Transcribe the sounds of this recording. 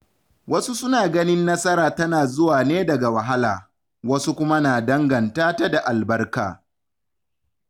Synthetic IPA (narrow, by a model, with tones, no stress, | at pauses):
wɐ˦su˦sʊ˦naː˨ɡɐ˦nɪ˦nːɐ˦sɐ˦ɾaː˨tɐ˦naː˨zʊ˦waː˨neː˦dɐ˨ɡa˨wɐ˨ɦa˦laː˨ | wɐ˦su˦kʷʊ˦ma˦naː˨dɐ˦ŋɡɐ˨ntaː˦ta˦da˨ʔa˨lbɐ˦rka̰ː˨